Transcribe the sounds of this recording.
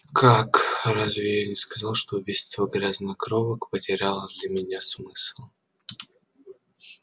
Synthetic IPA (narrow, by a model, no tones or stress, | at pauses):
kʰakɾazʲvʲɪenʲɪskɐzalˠʂt̪oʊbʲijst̪vʲəɡɾʲaznɐkɾovəkpətʲɪɾʲalˠəd̪lʲɐmʲɪnʲasmɨslˠ